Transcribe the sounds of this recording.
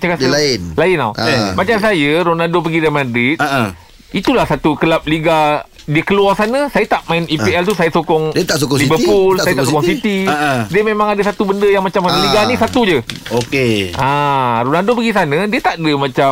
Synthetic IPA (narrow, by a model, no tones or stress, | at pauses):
t͡ʃakasəlɪnlaɪnawmat͡ʃamsajəɾonadop̬əɡidamãdɾit̪ | it̪ulahsat̪ukəlap̚liɡa | diəkəluarsanə̃sajət̪aʔmaɪnipiɛlt̪usajəsokɔŋdt̪as̬okɔsibəpulajət̪asokɔŋsit̪idiəmemãŋadəsat̪ubəndəjaŋmat͡ʃamaliɡanĩsat̪ud͡ʒəokeaɾonadopəɡisanə̃diət̪aʔdəmãt͡ʃa